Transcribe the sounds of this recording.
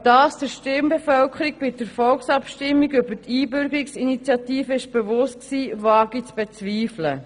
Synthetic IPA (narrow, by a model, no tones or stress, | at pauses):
d̥ɑːsd̥əɾʃtɪmbefœlkʰəɾiɡ̚b̥ɪdəɾfɔlksɑpʃtɪmːiɡʏbətʰiːbʏɾɡəɾiksinit͡sjɑtiːfəɪʃb̥evʊst̚ksiːvɑːɡ̥it͡sb̥et͡sviːflə̰